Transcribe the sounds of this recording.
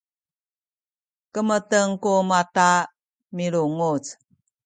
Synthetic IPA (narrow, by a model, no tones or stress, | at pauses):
kəmətəŋkumata | miɾuŋut͡s